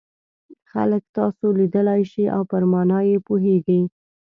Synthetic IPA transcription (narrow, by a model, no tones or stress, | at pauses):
xa̰ləkt̪ɑsolid̪əlajʃiʔa̰wpəɾmɑnɑjepoɦeɡəj